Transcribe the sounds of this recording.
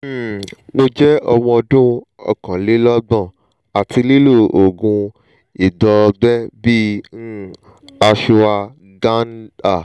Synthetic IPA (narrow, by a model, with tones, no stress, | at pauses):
m̩˦˨mo˧d͡ʒɛ˦ɔ˧w̃ɔ̃˧ɔ˧dũ˦ | ɔ̰˨kã˨le˦lɔ˦ɡ͡bɔ̃˦˨ | a˨tʰi˧li˦lu˦˨o˨ɡũ˧ | i˨dɔ˧ɡ͡bɛ˦bi˦ | a˧ʃu˧a˧ | ɡa˦n˦da˦˨